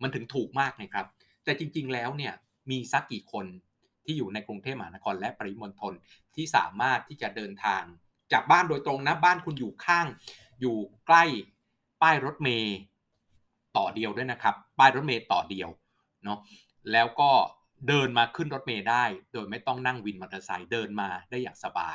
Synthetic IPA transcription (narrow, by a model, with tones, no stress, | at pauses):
ma˧˥nt̪ʰɯ˩˦ŋt̪ʰuː˨˩k̚maː˥˩k̚na˦˩jkʰɾa˦˥p̚ | t̪ɛː˨˩t͡ɕi˧ŋt͡ɕi˧ŋlɛː˦˥wni˥˩ɐ | miː˧sa˦˥kːiː˨˩kʰo˧n | t̪ʰiː˥˩juː˨˩na˧jkɾu˧ŋt̪ʰeː˥˩ma˧haː˨˦a˦˥kʰɔː˧nlɛ˦˥ʔpa˧li˦˥mo˧nt̪ʰo˧n | t̪ʰiː˥˩sa̰ː˩˦maː˥˩t̪ʰːiː˥˩t͡ɕa˨˩dɤː˧nt̪ʰaː˧ŋ | t͡ɕaː˨˩k̚baː˥˩ndoː˧jt̪ɾo˧ŋna˦˥baː˥˩nkʰu˧njuː˨˩kʰaː˥˩ŋ | juː˨˩kla˥˩j | paː˥˩jɾo˦˥t̪̚meː˧ | t̪ɔː˨˩di˧əwdu˥˩jna˦˥kʰa˦˥pːaː˥˩jɾo˦˥t̪̚meː˧t̪ɔː˨˩di˧əw | nɔ˦˥ | lɛː˦˥wkɔː˥˩ | dɤː˧nmaː˧kʰɯ˥˩nɾo˦˥t̪̚meː˧daː˥˩jdoː˧jma˥˩jt̪ɔ˥˩ŋna˥˩ŋwi˧nma˨˧˩t̪ʰːa˧sa̰˧jdɤː˧nmaː˧daː˥˩jːaː˨˩ŋsa˧ba̰ː˧j